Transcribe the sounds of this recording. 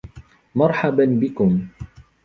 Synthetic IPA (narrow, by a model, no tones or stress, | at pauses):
mɑɾˤħabanbɪkʊm